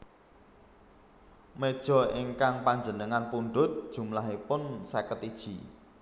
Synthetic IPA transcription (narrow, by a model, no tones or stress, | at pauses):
med̥ʒ̥ɔ̤iŋkaŋpaɲd͡ʒənəŋanpuɳɖʊt̪̚d̥ʒ̥ṳmlaɦipʊnsakət̪id̥ʒ̥i̤